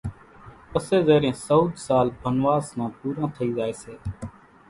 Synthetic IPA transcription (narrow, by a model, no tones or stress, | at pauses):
pəseːzeːɾẽːsəud̪ʱsaːlbʱənʋaːsnãːpuːɾãːt̪ʰəiːzaːeːseː